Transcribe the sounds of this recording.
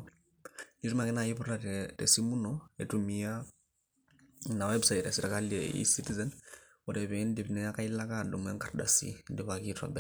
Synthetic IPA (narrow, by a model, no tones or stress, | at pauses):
nitumakinajiβuɾɾatḛsimunoetumia | nawebsaitesiɾekaliḛḭsitizen | uɾeβiːndiβinejakailakandumweŋkaɾda̰sḭndiβakitwa̰bɛ